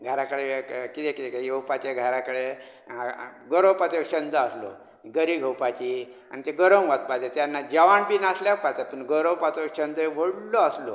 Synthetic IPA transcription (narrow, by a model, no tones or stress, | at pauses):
ɡʱəɾakəɽekit̪ekit̪ekejəwpat͡ɕeɡʱəɾakəɽe | ɡəɾəwpat͡s̪ekɕənd̪əəslo̰ | ɡəɾiɡʱəwpat͡ɕi | a̰nit̪eɡəɾəmʋat̪̚bad͡ʑet̪janːad͡ʑəʋaɳbiːnasljapaɾt̪apəɳɡəɾəwpat͡s̪okɕənd̪əʋoɽloaslo